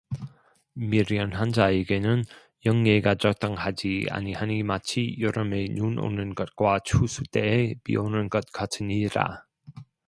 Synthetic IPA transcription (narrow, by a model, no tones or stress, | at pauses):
miɾiʌnɦand͡ʑaeɡe̞nɯn | jʌŋːeɡat͡ɕʌk̚t͈aŋhad͡ʑia̰ɲihanimat͡ɕʰijʌɾʌmenuno̰nɯnɡʌt̚kwat͡ɕʰusʰut͈eːpḭonɯnɡʌt̚k͈atʰɯniɾa̰